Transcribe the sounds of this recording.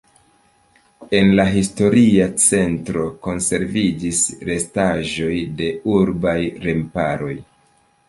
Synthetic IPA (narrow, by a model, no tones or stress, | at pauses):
e̞nlaɦisto̞ɾiat͡se̞ntɾo̞ko̞nse̞ɾvid͡ʒisɾe̞staʒo̞jde̞uɾbajɾe̞mpaɾo̞j